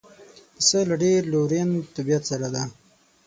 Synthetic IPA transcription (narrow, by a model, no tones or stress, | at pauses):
əsəlaɖeɾloɾent̪abijat̪saɾad̪a